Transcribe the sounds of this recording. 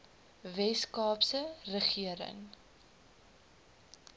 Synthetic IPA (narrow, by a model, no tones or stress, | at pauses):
vɛskɑːpsərəχiəɾə̰ŋ